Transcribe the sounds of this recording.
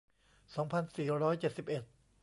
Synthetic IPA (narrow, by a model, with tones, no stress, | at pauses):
sɔː˩˦ŋpʰa˧nsiː˨˩ɾɔː˦˥jt͡ɕe˨˩t̪̚si˨˩p̚ʔe˨˩t̪̚